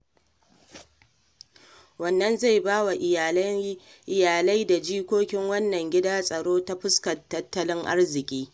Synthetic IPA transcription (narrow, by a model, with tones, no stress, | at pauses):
wɐ˦nːɐ˦nza˦˨jbaː˦wa˨ʔ | ʔɪ˨jaː˨la˦jda˨d͡ʒiː˦kʷoː˦kʲɪ˦ŋwɐ˦nːɐ˨ŋɡʲɪ˦daː˦sʼɐ˨ɽoː˦ta˦ɸʊ˦skɐ˨tːɐ˦tːɐ˦lɪ˦ŋʔa̰˦rzɪ˨kʲʼiː˦